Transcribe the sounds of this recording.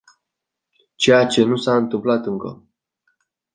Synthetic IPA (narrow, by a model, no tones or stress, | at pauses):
t͡ʃe̞jat͡ʃe̞nusaɨnt̪ɨmplat̪ɨŋkə̰